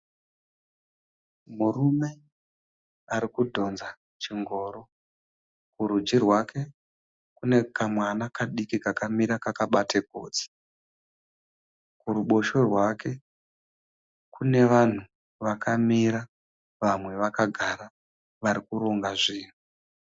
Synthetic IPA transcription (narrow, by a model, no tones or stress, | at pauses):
murume̞ | aɾikudʱo̞nza | t͡ʃiŋɡo̞ːɾo̞ | kuɾud͡ʒirwakʰe̞ | kune̞kamwanakaɗikikakamiɾakakaɓatʰeɡʱo̞̰ːd͡zi̥ | kuruɓo̞ʃo̞rwake̞ | kune̞ʋan̤u | ʋakamiɾa | ʋamwe̞ʋakaɡʱaɾa | ʋaɾikuɾo̞ŋɡaʐiːn̤u